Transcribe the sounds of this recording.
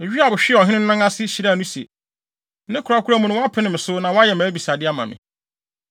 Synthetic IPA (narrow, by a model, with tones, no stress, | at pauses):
e˨ɥi˦a˨bʊ˨ɕᶣɪ˦˨ɔ˨ɦɪ̃˦nɪ̃˦n˦nã˦ŋa˦sɪ˦ɕi˨ɾa˦˨nũ˦sḛ˨ | nɪ̃˦kʰʊ˨ɾa˦kʰu˦ɾa˦mũ˦nʊ̃˦wa˦pʰɪ˦nɪ̃˨mɪ̃˨sʊ˦nã˨wɔ˦a˦jɛ˨mæ̃˨˦bi˨sa˨dɪ˦a˦mã̰˨mɪ̰̃˨